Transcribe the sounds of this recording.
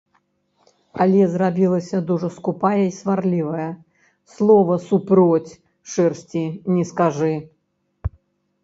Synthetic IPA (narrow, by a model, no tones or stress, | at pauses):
alʲɛzrabʲilˠɐsʲɐd̪uʐɐskupajɐisvarlʲivɐjɐ | slˠɔvɐsupɾɔt͡sʲ | ʂɛrsʲt͡sʲinʲɛskaʐɨ